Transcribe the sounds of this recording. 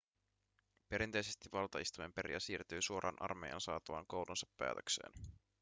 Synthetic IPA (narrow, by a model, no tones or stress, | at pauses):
pe̞ɾint̪e̞jse̞st̪iʋɑlt̪ɑist̪ujmempeɾḭæsiːrt̪yːsuoɾʔɑ̰ːnʔɑ̰rmejɑ̰ːnsɑːt̪ɑʋɑ̰ŋko̞wlʔunsɑpːæ̰ːt̪øksḛːn